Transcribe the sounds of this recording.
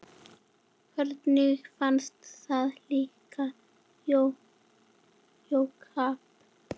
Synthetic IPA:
hɛɾt̪nifanst̪saðliːka | jo | jokhaːp̚

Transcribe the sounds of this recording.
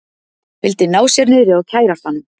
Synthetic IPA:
fɪlt̪ɪnaːwsjɛɾnɪðɾɪaɣcʰaːjɾast̪hanːʏm

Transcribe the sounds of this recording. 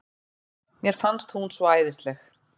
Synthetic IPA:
mjɛɾ̥fanst̪hunsvɔaːjðɪst̪lɛx

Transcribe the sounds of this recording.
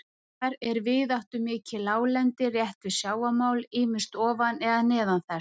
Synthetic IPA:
aɾɛɾvɪðawht̪ʏmɪːcɪlaːwlɛnt̪ɪrjɛht̪vɪðsjaːwamaːwlɪːmɪ̥st̪ɔːvanɛɣanɛːðanθɛ

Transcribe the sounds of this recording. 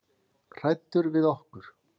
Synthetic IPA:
kʰɾ̥ajt̪ːʏɾvɪðɔhkʏɾ̥

